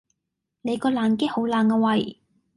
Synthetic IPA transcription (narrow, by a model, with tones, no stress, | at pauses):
ne˨˧kɔː˧laː˨˩nkeː˥ho˨˥wlaː˨˩ŋkaː˧wɐ˨˩j